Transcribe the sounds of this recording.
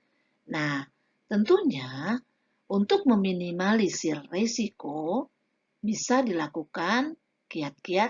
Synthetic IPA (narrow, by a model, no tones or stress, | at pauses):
nah | t̪ənt̪uɲa | ʔunt̪ʊk̚məminimalisirːesiko | bisadilakukan | kiat̪̚kia